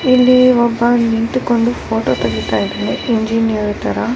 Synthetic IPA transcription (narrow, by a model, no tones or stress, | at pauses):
ilːiɔbːɐniɳt̪ukoɳɖupʰoːʈoːt̪ɐɡit̪aːjid̪eːneeɲd͡ʒiːnijɐɾit̪ɐɾɐ